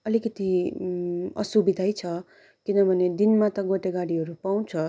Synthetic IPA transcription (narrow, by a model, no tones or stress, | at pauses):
ʌlikʌt̪i | ʌ̰subid̪ʱajt͡sʰʌ | kinʌbʱʌned̪inmat̪ʌɡoʈeɡaɽiɦʌɾupaw̃t͡sʰʌ